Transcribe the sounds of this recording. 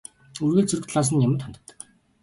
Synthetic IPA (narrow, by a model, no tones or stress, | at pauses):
ɵrɣeːɮt͡sɵɾɵ̆kt̪ɮaːs̬ə̆njamə̆nt̪χan̥t̪ə̥̆t̪ːə̥̆k